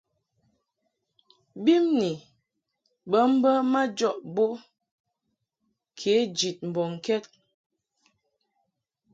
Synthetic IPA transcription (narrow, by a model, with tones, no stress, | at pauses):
bi˦mni˨ | bə˦m̩˦bə˦ma˦d͡ʒɔ˦˨ʔbo˦ | kʰe˨˦d͡ʒi˨t̚m̩˨bɔ˨ŋ˨kɛ˦t̚